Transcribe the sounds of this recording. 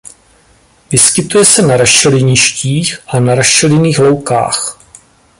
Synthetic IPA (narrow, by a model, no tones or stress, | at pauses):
vɪskɪt̪ujɛsɛnaɾaʃɛlɪɲɪʃciːxʔanaɾaʃɛlɪniːxlo̞wka̰ːx